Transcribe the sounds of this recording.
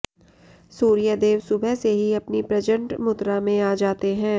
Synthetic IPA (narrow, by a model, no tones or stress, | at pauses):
suːɾijəd̪eːʋsʊbʱɛseɦiɐpnipɾɐd͡ʒə̃ɳʈmʊt̪ɾamẽaːd͡ʒaːt̪eɦɛ̃ː